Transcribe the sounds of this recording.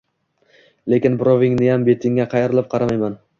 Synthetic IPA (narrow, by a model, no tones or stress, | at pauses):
le̞kʲɪnbɾovɪŋnɪjambe̞t̪ʰɪŋːaqʰɑjɪɾɪlˠɪp̚qʰɑɾamajman